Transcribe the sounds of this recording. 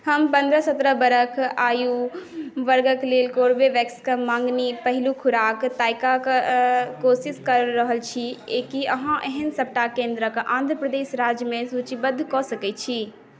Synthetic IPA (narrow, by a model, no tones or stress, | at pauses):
həmpə̃nd̪ɾəsət̪ɾəbəɾəkʰaːju | ʋəɾɡəklelkoːɾbeʋɛkskəmãːŋɡnipəɦɪlukʰʊɾaːkt̪aːɪkak | kosiskəɾːəɦəlt͡ʃʰiekiəɦãʔeɦənsəp̚ʈakẽːnd̪ɾəkãːnd̪ʱɾəpɾəd̪eːsɾad͡ʒjəmẽsut͡ʃibəd̪ʱkɔsəkɛt̪̚t͡ʃʰi